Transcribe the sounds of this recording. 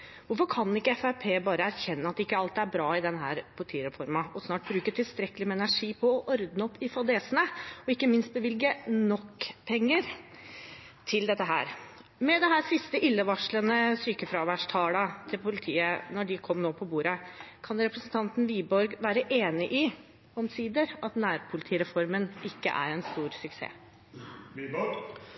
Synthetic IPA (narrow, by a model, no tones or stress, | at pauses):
ʋʊɾfɔɾkʰɑnɪkːəɛfæɾpʰeːbɑːɾəæɾçɛnːəɑt̪ːɪkːəɑlt̪æɾbɾɑːɪd̪ɛnɦæːɾpʰʊlt̪ʰiːɾɛfɔɾmɑɔsnɑːʈ̚bɾʉːkət̪ʰɪlst̪ɾɛkəlɪmɛɛnæʂiːpʰɔːʔɔɾd̪nəɔpːɪfɑd̪eːsənəɔɪkːəmɪnst̪̚bəʋɪlɡənɔkːpʰɛŋːəɾ | t̪ʰɪld̪ɛt̪ːəɦæ̰ːɾ | mɛd̪ɛɦæːɾsɪst̪əʔɪlːəʋɑʂlənəsyːkəfɾɑʋæʂʈʰɑːlɑt̪ʰɪlpʰʊlɪt̪ʰiːənɔɖɪkʰɔmːnoːpʰɔbuːɾəkʰɑnɛɾɛpɾəsən̩t̪ʰɑnt̪n̩ʋiːbɔɾɡʋæːɾəʔeːnɪʔɪ | ɔmsiːd̪əɾɑt̪næːɾpʰʊlɪt̪ʰiːɾɛfɔɾmənɪkːə̰ʔæ̰ɾɛnst̪uːɾsʉksḛː